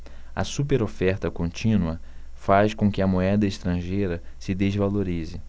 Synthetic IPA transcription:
ɐ̰supeɾofɛɾt̪ɐkõnt͡ʃĩnuɐ | faʃkõkɪɐmoɛd̪ɐɪʃt̪ɾɐ̃ʒejɾɐsɪd̪ezvaloɾizɪ

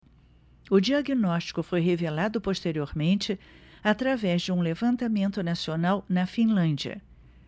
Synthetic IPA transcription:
ʊd͡ʒiaɡinɔst͡ʃi̥kʊfojɦevelad̪ʊpost̪eɾioɾmẽnt͡ʃɪ | at̪ɾavɛzd͡ʒɪũlevɐ̃nt̪amẽnt̪ʊnasionawnɐfĩlɐ̃nd͡ʒiɐ̰

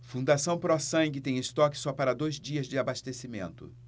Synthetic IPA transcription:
fũnd̪asɐ̃w̃pɾɔsɐ̃ŋɡɪt̪ẽj̃ɪst̪ɔkɪ̥sɔpaɾɐd̪ojzd͡ʒiɐzd͡ʒɪabast̪esimḛ̃nt̪ʊ̰

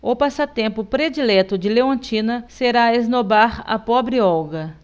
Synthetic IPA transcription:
opasat̪ẽmpʊpɾed͡ʒilɛt̪ʊd͡ʒɪleõnt͡ʃĩnɐseɾaeznobaɾɐ̰pɔbɾɪɔwɡɐ

